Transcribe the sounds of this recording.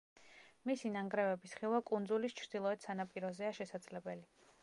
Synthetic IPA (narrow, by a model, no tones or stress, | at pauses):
misinaŋɡɾɛvɛbisχilˠvakʼund̪zulist͡ʃʰɾd̪̥ilˠɔɛt̪sanapʼiɾɔzɛaʃɛsad̪z̥lɛbɛli